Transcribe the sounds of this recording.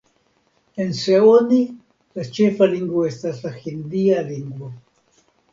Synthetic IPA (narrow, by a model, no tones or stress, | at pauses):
enseoni | last͡ʃefaliŋɡoest̪aɬaxind̪ialiŋɡwo